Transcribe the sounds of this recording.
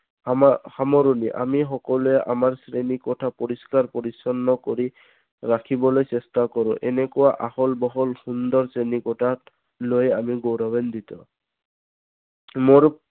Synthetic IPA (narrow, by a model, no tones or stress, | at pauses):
hamɔɹuniʔa̰mixɔkɔluɛʔa̰maɹsɹenikɔtʰapɔɹiskaɹpoɹisɔnːɔkoɹi | ɹakʰibɔlojsɛstakɔɹʊ̰̃ʔɛ̰nɛkʊwaʔahɔlbɔɦɔlxund̪ɔɹsenikɔtʰa | lojamiɡowɾɔbend̪it̪ɔ | moɹ